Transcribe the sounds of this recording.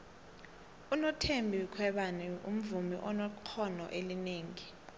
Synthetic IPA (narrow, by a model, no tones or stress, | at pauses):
unɔtʰembʱikʰwɛɓanɛṵm̩vumiʔɔnɔkʰɔnɔ̰ʔelineːŋi